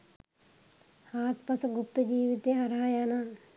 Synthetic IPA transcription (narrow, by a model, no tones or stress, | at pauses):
haːt̪pɐsɡʊpt̪əd͡ʒiːʋit̪eɐɾaːjaːnaː